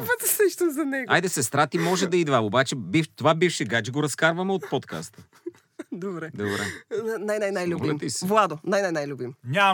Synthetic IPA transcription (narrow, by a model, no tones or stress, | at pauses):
vət̪səʃt̪ozɐnɛɡajd̪ɛsɛst̪ɾat̪imɔʒɛd̪ɐid̪vaobat͡ʃɛbift̪ovabifʃɛɡad͡ʒɛɡoɾɐskaɾvɐmɛot̪pot̪kʰa̰st̪ə | d̪obɾɛd̪obɾɛnajnajnajlʲubimt̪isvlˠad̪onajnajnajlʲubimɲʲa